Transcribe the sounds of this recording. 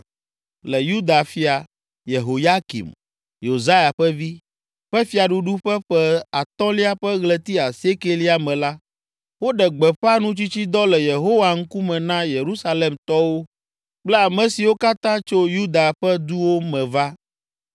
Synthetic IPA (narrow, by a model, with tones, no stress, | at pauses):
lɛ˨ju˦d̪a˨fi˦a˨ | je˨ɦo˨ja˦kḭ˨m | jo˨za˦ja˨ɸɛ˦vi˦ | ɸɛ˦fi˦a˨ɖu˦ɖu˦ɸɛ˦ɸɛ˦a˨t̪ɔ̃˦li˦a˨ɸɛ˦ɣlɛ˨t̪i˦a˨se˦ke˦li˦a˨mɛ̃˨la˦ | wo˦ɖɛ˨ɡ͡bɛ˨ɸɛ˦a˦nũ˦t͡ɕi˦t͡ɕi˦d̪ɔ˦lɛ˨je˨ɦo˦wa˨ŋ̩˦ku˦mɛ̃˨nã˦je˨ɾu˦sa˦le˨mt̪ɔ˦wo˦ | k͡plɛ˦a˨mɛ̃˨si˨wo˦ka˦t̪ã˦t͡ʃo˦ju˦d̪a˨ɸɛ˦d̪u˦wo˦mɛ̃˨va˦